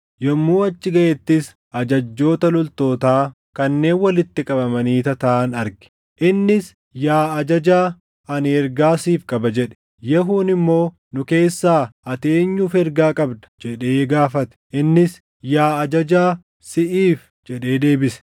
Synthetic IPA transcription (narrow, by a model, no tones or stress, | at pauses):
jɔmːuːɐt͡ʃːɪɡɐʔɛt̪ːɪs | ʔɐd͡ʒɐd͡ʒːo̞ːt̪ɐlɔlt̪o̞ːt̪aː | kɐnːe̞ːnwɐlɪt̪ːɪkʼɐbɐmɐniːt̪ɐt̪aːnɐɾɡɪ̥ | ʔɪnːɪs | jaːɐd͡ʒɐd͡ʒaː | ɐnɪɛɾɡaːsiːfkʼɐbɐd͡ʒɛᶑɛ̥ | jɛɦuːnɪmːo̞ː | nʊke̞ːsːaːɐt̪e̞ːɲːuːfɛɾɡaːkʼɐbd̪ɐ̥d͡ʒɛᶑe̞ːɡaːfɐt̪ɛ̥ʔɪnːɪs | jaːɐd͡ʒɐd͡ʒaː | sɪʔiːf | d͡ʒɛᶑe̞ːd̪e̞ːbɪsɛ̥